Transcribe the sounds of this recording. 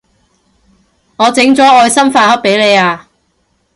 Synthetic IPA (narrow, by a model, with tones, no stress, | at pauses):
ŋɔː˨˧t͡sɪ˨˥ŋt͡sɔː˨˥ɔː˧jsɐ˥mfaː˧hɐ˥p̚pe˨˥jle˨˧jaː˧